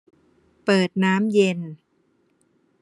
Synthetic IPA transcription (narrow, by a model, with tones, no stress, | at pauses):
pɤː˨˩t̪̚naː˦˥mje˧n